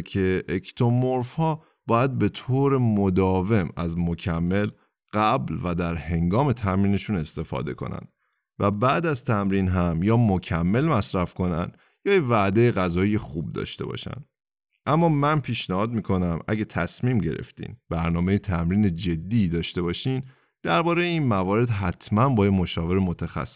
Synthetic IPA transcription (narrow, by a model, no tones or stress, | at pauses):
cʰe̞ʔect̪ʰomoɾfhɒː | b̥ɒːjæd̪̚be̞t̪ʰoːɾe̞mod̪ɒːve̞mæzmocʰæmːe̞l | ɢ̥æblvæd̪æɾhe̞ŋɡɒːme̞t̪ʰæmɾiːne̞ʃune̞st̪e̞fɒ̰ːd̪e̞̰kʰo̞̰næ̰nd̪̥ | væbæːd̪æzt̪ʰæmɾiːnɦæmjɒːmocʰæmːe̞lmæsɾæfko̞næ̰nd̪̥ | jɒːjevæd̪e̞jeɣæzɒːjijexub̚d̪ɒ̰ːʃt̪e̞̰bɒ̰ːʃæ̰nd̪ | ʔæmːɒːmænpʰiːʃnæhɒːd̪̚miːkʰo̞næmæ̰ɟet̪ʰæsmiːmɟe̞̰ɾḛft̪ḭnbæɾnɒːmejet̪ʰæmɾiːne̞d͡ʒe̞d̪ːiːd̪ɒːʃt̪e̞bɒːʃiːn | d̪̥æɾbɒːɾe̞jeiːnmævɒːɾe̞d̪ɦæt̪ʰmænbɒːjemo̞ʃɒːve̞ɾemot̪ʰæxæ̰sː